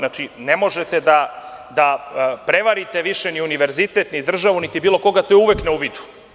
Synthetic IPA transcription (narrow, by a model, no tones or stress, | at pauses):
nat͡ʃinemo̞ʒet̪ed̪ad̪apɾe̞ʋaɾit̪e̞ʋiʃeniuniʋeɾzit̪e̞t̪nid̪r̩ʒaʋunit̪ibiːlˠoko̞ɡat̪ojuʋekneuʋid̪u̥